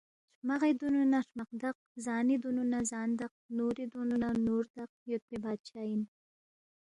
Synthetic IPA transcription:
ʃmaɣed̪ununaʂmaq̚d̪aq̚zɑːnid̪ununazɑːnd̪aq̚nuɾid̪ununanuɾd̪aq̚jot̪̚bibɑːd̪̚t͡ʃɑin

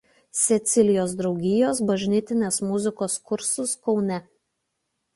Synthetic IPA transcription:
sʲɛt̪sʲɪlʲɪjoːsd̪ɾɒʊɡʲɪjoːsbɐʒʲnʲɪt̪ʲɪnʲeːsmʊzʲɪkoːskʊɾsʊskɒʊnʲɛ

